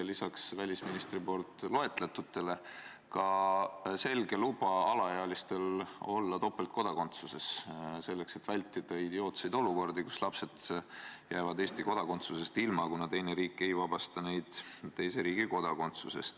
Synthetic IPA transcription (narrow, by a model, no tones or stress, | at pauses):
lisɑksvælʲisminist̪ripo̞lt̪ˑlo̞e̞t̪ˑlet̪ːut̪ːe̞le̞ | kɑ | se̞lɡ̥e̞lub̥ɑɑlɑjeɑlist̪e̞lo̞lːɑt̪o̞pːˑelt̪̚ko̞d̪̥ɑko̞nt̪suse̞sse̞lːe̞kse̞t̪vælʲt̪ˑːid̪̥ɑid̪eo̞ːt̪sejd̪o̞luko̞rd̪ikuslɑpse̞d̪̥jæːvɑd̪eːst̪iko̞d̪̥ɑko̞nt̪suse̞st̪ilmɑkunɑt̪e̞jneɾiːkːˑe̞jvɑb̥ɑst̪ɑne̞jd̪̥t̪e̞jse̞ɾiːɡ̥iko̞d̪̥ɑko̞nt̪suse̞̰st̪